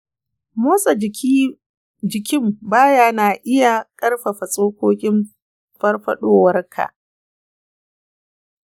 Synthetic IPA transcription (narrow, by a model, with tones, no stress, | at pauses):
moː˦sʼɐ˨i˦ | d͡ʒɪ˨kʲɪ˦mbaː˦jaː˦naː˨ʔɪ˦ja˨kʼɐ˦rɸa˨ɸɐ˨sʼoː˦kʷoː˦kʲʼɪ˦m | ɸɐ˦rɸɐ˦ɗoː˦wɐ˦rkʰa̰˨ʔ